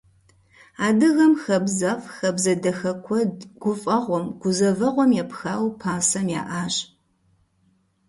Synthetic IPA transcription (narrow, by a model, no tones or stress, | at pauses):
aːdɨɣɐmxɐbzɐfxɐbzɐdɐxɐkʷʰɔdɡ̥ʷʊfʼɐʁʷɔmɡ̥ʷʊzɐvɐʁʷɔmjɛpxaːwpʰaːsɐmja̰ːʔaːɕʼ